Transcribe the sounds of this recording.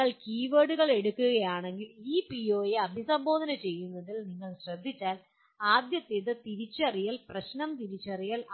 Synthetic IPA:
ɐɭkiːʋeːɽuɣɐɭe̞ɽukːuɣɐjaːɳe̞ŋɡiliːpio̞ːjeɐd̪ʱisɐmbo̞ːd̪ʱɐnɐt͡ɕe̞jːunːɐðilniŋːɐɭɕrɐd̪ʱːit͡ɕːaːl | aːd̪jɐt̪ːeðɨt̪iɾit͡ɕːɐrijɐlprɐɕnɐmt̪iɾit͡ɕːɐrijɐl

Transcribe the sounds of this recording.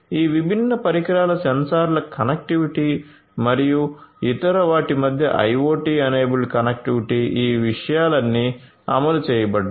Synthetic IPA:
iːʋibʱinːɐpɐɾikɐɾaːlɐsɐnsaːɾlɐkɐnɐk̚ʈiʋiʈiː | mɐɾijuit̪ɐɾɐʋaːʈimɐd̪ʱjɐ̰ʔɐ̰jʋoːʈiːɐneːbulkɐnɐk̚ʈiʋiʈiːʔiːʋiʂɐjaːlɐnːiː | ɐ̰mɐlut͡ʃɛːjɐbɐɖːu

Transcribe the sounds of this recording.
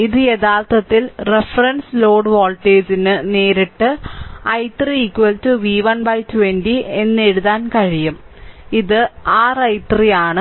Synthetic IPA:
iðɨe̞ðaːrt̪ɐt̪ːilrefɐrɐnsloːɖʋoːlʈːeːd͡ʑinɨne̞ːɾiʈːɨɐjt̪riːkːʋɐltuʋiːʋɐnbɐjtuʋenɖie̞nːeɻuðaːnkɐɻijum | iðɨaːrɐjt̪rijaːɳɨ

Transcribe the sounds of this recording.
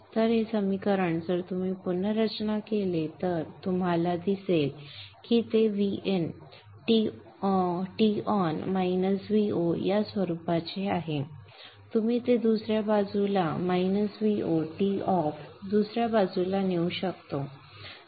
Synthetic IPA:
t̪əɾɦesəmikəɾəɳd͡zəɾt̪um̤iːpunəɾət͡ɕnakelet̪əɾt̪um̤alad̪iselkiːt̪eʋien | ʈi | ʈiɔnmainəsʋiojasʋəɾupat͡ɕeaɦe | t̪um̤iːt̪ed̪usɾjabad͡zʱulamainəsʋioʈiɔfd̪usɾjabad͡zulaneuɕəkt̪o

